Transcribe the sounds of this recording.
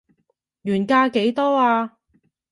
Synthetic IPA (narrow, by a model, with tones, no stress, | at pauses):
jyː˨˩nkaː˧ke˨˧˥jt̪ɔː˥aː˧